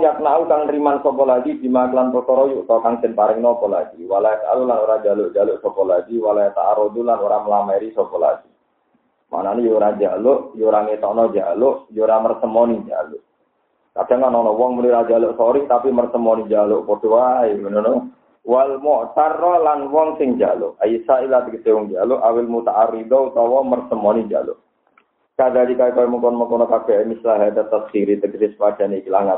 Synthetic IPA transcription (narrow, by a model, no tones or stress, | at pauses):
jak̪̚nauk̪aŋɾimansɔbɔlaɡidimaklanpɔt̪ɔɾɔjuʔt̪ɔk̪aŋsɛnpaɾɪŋnɔbɔla̰ɡiwalaka̰lulanuɾad͡ʒalʊʔd͡ʒalʊʔsɔbɔlaɡiwalajat̪a̰ʔaɾod̪ulanɔɾaməlamaiɾisɔbɔla̰ɡi | mʔa̰nanijuɾad͡ʒa̰lʊʔjuɾaŋit̪ɔnɔd͡ʒa̰lʊʔjuɾamərsəmɔnid͡ʒa̰luʔ | kad̥a̤ŋanɔnɔwɔŋmuniɾad͡ʒalʊʔsɔɾɪht̪apimərsəmɔnid͡ʒalʊʔpod̥uwajnɔno | walmɔʔt̪arːɔlanwɔŋsɪŋd͡ʒa̰lʊ̰ʔaisailat̪əkəsewɔŋd͡ʒalʊʔawɪlmut̪aʔaɾid̪ɔut̪ɔwɔmərsəmɔnid͡ʒa̰lʔ | kadadikaikɔimɔŋkɔnmɔkɔnɔkab̥ɛʔmislaɦat̪ət̪əsd̥iɾit̪əɡɾɪspad̥a̤nikilahŋa